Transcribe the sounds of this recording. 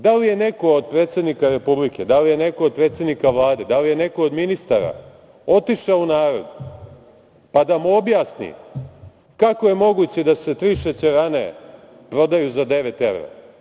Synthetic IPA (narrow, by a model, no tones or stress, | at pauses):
d̪alije̞ne̞ko̞od̪̚pɾet̪se̞d̪nikaɾe̞publiked̪alije̞ne̞kood̪̚pɾet̪se̞d̪nikaʋlˠaːd̪e̞d̪alijene̞kood̪minist̪aːɾa̰ | o̞t̪iʃaunaːɾo̞̰d̪ | pad̪amuobjaːsnḭ | kako̞jemo̞ɡut͡ɕed̪ase̞t̪ɾiːʃet͡ɕeɾane̞ | pɾo̞d̪ajuzad̪e̞ʋet̪eʋɾa̰